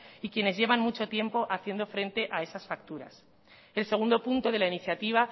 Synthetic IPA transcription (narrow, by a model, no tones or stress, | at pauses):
ikjene̞zʝe̞βanmut͡ʃo̞t̪je̞mpo̞ʔaθje̞nd̪o̞fɾe̞nt̪e̞ʔae̞sasfak̚t̪uɾa̰s | e̞lseɣ̞und̪o̞punt̪o̞ð̞e̞lainiθjat̪iβ̞a